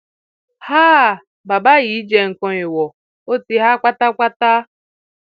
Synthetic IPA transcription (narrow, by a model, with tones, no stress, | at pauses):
haː˦˨ | ba˨ba˦ɣi˦d͡ʒe˨ŋ̩˨kɔ˦ɪ˨wɔ˨ | o˦ti˦ɦa˦kʷa˦ta˦kʷa˦ta˦